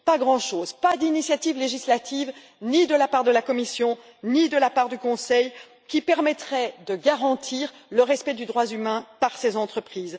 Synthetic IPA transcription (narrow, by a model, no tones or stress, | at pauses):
paɡʁɑ̃ʃoːzpad̪inisjat̪ivleʒislat̪iv | nid̪əlapaʁd̪əlakɔmisjɔ̃ | nid̪əlapaʁd̪ykɔ̃sɛj | kʲipɛʁmɛt̪χɛd̪əɡaʁɑ̃t̪ʰiːʁ | ləʁɛspɛd̪yd̪ʁwazymɛ̃paʁsezɑ̃t̪χəpχiːz